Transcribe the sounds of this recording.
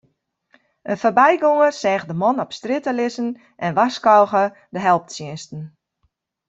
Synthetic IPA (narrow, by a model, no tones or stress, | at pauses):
ənfobɛjɡoŋərsɛːxdəmɔnɔpstrɪtəlɪsən | ʔɛnʋaskɔwɣə | dəɦɛlˠp̚tsjɪnstən̩